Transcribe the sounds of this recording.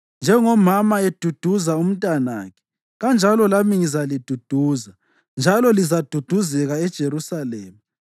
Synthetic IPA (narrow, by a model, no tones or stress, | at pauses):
nd͡ʒʱɛŋɔmamaed̥ʱud̥ʱuzaum̩tʼana̰ːkʰɛ̥ | ɣand͡ʒʱalɔlamiŋizalid̥ʱud̥ʱuːza | nd͡ʒʱalɔlizad̥ʱud̥ʱuzɛɣaɛd̥ʒ̥ʱeɾusalɛːma